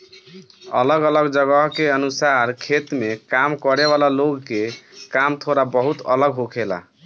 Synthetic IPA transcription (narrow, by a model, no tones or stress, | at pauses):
ə̰ləɡələɡd͡ʒəɡəɦkeənusaɾkʰet̪mekamkəɾeβalaloɡkekamt̪ʰoɾabəɦut̪ə̰ləɡɦokʰela̰